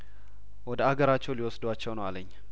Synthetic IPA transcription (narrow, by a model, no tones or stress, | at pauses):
wɔd̪əaɡəɾat͡ʃːɛwliwɔsd̪uat͡ʃːɛwnəwaləɲː